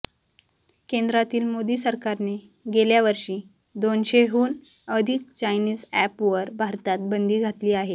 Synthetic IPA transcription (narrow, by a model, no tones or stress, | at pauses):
kend̪ɾat̪iːlmod̪iːsəɾkaɾne | ɡeljaʋəɾɕiː | d̪onɕeɦuːn | əd̪ʱik̚t͡ɕajniːd͡zæpʋəɾbʱaɾt̪at̪̚bənd̪ʱiːɡʱat̪liːaɦe